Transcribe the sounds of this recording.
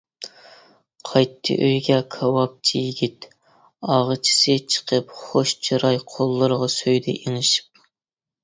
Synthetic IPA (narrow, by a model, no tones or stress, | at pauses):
qʰɑjt̪ʰːɨ̰ʔøjɡʲɛkʰɑwɑp̚t͡ʃʰijiɡʲit̪ | ɑʁət͡ʃʰi̥sɨt͡ʃʰə̥qʰəpχoʃt͡ʃʰiɾɑjqʰolˠːɨɾəʁɑsøjd̪ɛʔeŋɪʃi̥p̚